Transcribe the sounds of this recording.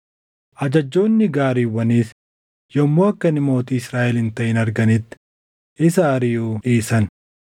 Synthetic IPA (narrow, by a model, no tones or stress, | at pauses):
ʔɐd͡ʒɐd͡ʒːo̞ːnːɪɡaːɾiːwːɐniːs | jɔmːoːɐkːɐnɪmo̞ːt̪iːɪsɾaːʔɛlɪnt̪ɐʔɪnɐɾɡɐnɪt̪ːɪ̥ | ʔɪsɐːɾɪjuːᶑiːsɐn